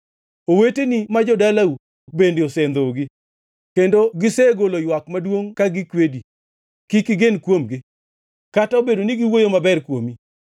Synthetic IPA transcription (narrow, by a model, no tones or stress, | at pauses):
owetenimad͡ʒɔdalau | k̚bendeosend̪oɡɪ | kendoɡɪseɡolojwakmadwoŋkaɡɪkwedi | kikɪɡenkwomɡɪ | kataobedonɪɡɪwojomabɛrkwomi